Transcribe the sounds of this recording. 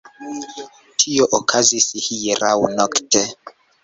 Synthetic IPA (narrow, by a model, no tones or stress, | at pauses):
tʰioʔokʰazisihijɾawnɔktʰe